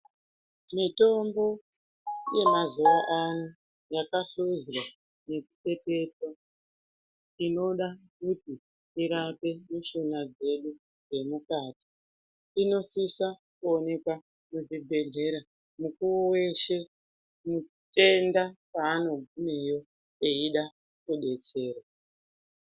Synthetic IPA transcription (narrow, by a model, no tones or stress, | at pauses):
mito̞mbo̞ | je̞mazuwaʔanu | jakaɬuzwa | ne̞kute̞te̞twa | ino̞ɗakuti | iɾape̞muʃonad͡ze̞ɗu | je̞mukaːti̥ | ino̞sisa | kuo̞ne̞kwa | muʐibʱe̞ɮe̞ɾa | mukuwowe̞ʃe̞ | mu | te̞ndapaːno̞ɡʱumejo̞ | eiɗa | kuɗe̞t͡se̞ːrwa